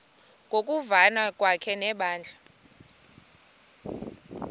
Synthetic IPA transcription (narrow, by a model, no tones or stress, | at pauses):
ŋʱok̬ʼuvanak̬ʼwakʰɛnɛɓaːnd͡ɮʱa